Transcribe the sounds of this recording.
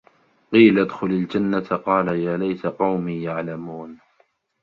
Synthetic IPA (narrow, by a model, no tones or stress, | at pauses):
qiːlaʔad̪xʊlald͡ʒanːat̪qɑːlajaːlajsaqɑwmiːjaʕlamuːn